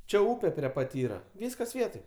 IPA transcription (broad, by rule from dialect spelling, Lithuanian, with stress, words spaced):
ˈt͡ʃʲɛ ˈuːpʲɛ pʲrʲiɛ ˈpɐt ˈiːrɐ ˈʋʲiːskɐs ˈʋʲiɛtoːj